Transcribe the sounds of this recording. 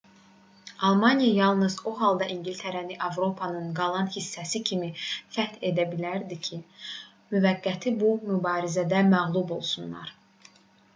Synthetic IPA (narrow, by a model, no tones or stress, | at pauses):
ɑlˠmɑnijɑjɑlˠnɯzoɦɑlˠd̪ɑʔiɲɟilʲt̪ʰæɾæniʔɑvɾo̞pʰɑnɯnɡɑlˠɑnhisːæsicʰimifæt̪ʰe̞d̪æbilæɾd̪icʰi | myvæɡːæt̪ʰibumybɑːɾizæd̪æmæɣlˠubo̞lˠsunlˠɑ̰ɾ